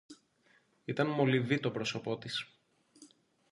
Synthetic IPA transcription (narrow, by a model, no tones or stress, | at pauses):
it̪ɐnmo̞livit̪o̞pɾo̞so̞po̞t̪is